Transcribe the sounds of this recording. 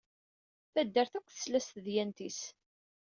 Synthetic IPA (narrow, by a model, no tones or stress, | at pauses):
θæd̪ːəɾθækʷːθə̥slæst̪ðjænt̪is